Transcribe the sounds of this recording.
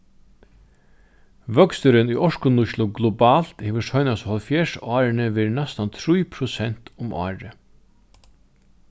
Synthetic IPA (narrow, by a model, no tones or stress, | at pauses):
ʋœkst̪ʏɾɪnujʔɔʂkʊnʊʃlʊɡlubaːl̥t̪heːʋəʂɔjnashɔlfjeːʂɑːɾɪnɪʋeːɾnɛst̪ant̪ʰɾujpʰɾʊsɛn̥t̪ʊmʔɑ̰ːɹɪ